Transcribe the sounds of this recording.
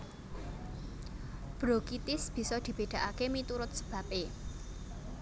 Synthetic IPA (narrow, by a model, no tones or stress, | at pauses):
b̥ɾokit̪ɪsb̥i̤sɔd̪̥i̤b̥e̤d̪̥ä̤ʔakemit̪uɾʊt̪̚sə̥b̥ä̤pe